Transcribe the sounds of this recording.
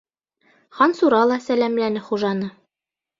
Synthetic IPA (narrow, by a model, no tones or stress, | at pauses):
χɑnsuɾɑlˠɑsælæmlænɘχuʒɑnɤ